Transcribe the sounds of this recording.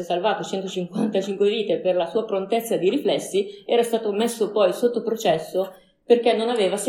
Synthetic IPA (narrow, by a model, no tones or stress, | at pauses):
esalvaːt̪ot͡ʃɛnt̪ot͡ʃiŋkwant̪at͡ʃiŋkweviːt̪eperlasuːapɾont̪et̪sːad̪iɾiflɛsːiɛːɾast̪aːt̪omesːopɔjsot̪ːopɾot͡ʃɛsːo | perk̟ɛnːonaveːvas